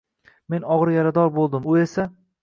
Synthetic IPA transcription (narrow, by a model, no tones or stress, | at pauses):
me̞nɒʁɾjaɾad̪ɒɾbolˠd̪ɪmʊe̞sa